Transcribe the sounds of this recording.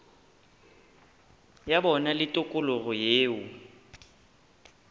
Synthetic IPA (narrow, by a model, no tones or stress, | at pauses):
jabɔnalɪtʼʊkʼʊlʊɣʊjeːʊ